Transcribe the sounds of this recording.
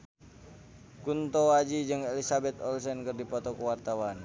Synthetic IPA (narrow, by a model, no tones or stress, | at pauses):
kunt̪oad͡ʒid͡ʒɨŋelisabɛt̪ɔlsɛnkɨrdipɔt̪ɔkəwart̪awan